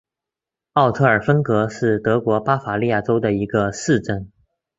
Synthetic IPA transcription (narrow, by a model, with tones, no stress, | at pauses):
ɑ˥˧ʊt̪ʰɤ˥˩ə˞˨˩fə˥nkɤ˧˥ʂɻ̩˥˩t̪ɤ˧˥kwɔ˧˥pa˥fa˧˥li˥˧ja˥˩ʈ͡ʂo˥ʊd̪ə˨i˧˥ɡə˧sɹɻ̩˥˩ʈ͡ʂə˥˩n